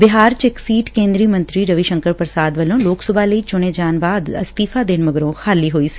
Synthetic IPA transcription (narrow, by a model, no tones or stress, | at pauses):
bɪɦaːɾt͡ʃeksiːʈkẽːnd̪ɾiəmə̃nt̪ɾiːɾəʋiʃə̃ŋkəɾpəɾsaːd̪ʋəlõːloːksəbʱaːləiːt͡ʃʊɽ̃eːd͡ʒaːnbaːd̪ə̰st̪iːfʰaːd̪ɪnməɡɾõːxaːliːɦoːiːi̥